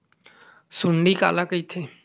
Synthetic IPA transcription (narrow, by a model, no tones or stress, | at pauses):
sʊɳɖiːka̰ːlaːkəiːt̪ʰeː